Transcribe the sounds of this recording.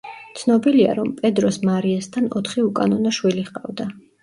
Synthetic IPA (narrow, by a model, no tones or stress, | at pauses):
t̪sʰnɔbilia̰ɾɔmpʼɛd̪ɾɔsmaɾiɛst̪ʰanɔt̪ʰχiukʼanɔnaʃwiliχqʼavd̪a